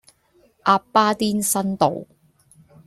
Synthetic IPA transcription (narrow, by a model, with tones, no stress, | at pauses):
ʔaː˧ppːaː˥t̪iː˥nsɐ˥nt̪o̰˨w